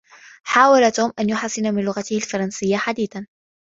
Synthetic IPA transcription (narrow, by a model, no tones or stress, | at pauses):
ħaːwalat̪uːmʔanjʊħasˤːɪnamɪnlʊɣat̪ɪhalfɑɾˤɑnsɪjːaħad̪iːθan